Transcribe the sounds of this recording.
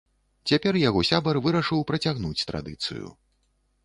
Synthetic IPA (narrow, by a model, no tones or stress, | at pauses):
t͡sʲapʲɛrjaɣɔsʲabɐrvɨɾɐʂɨwpɾɐt͡sʲaɣnut͡sʲt̪ɾa̰d̪ɨt̪sɨ̰jṵ